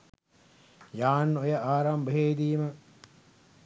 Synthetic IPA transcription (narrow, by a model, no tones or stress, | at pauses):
jaːnːojəʔaːɾambəɦeːd̪iːmə